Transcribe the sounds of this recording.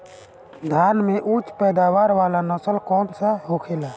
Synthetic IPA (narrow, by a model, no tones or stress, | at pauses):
d̪ʱaːnmeʔut͡ʃpɛːd̪aːʋaːɾʋaːlanəsəlkɔːnsaɦokʰelaː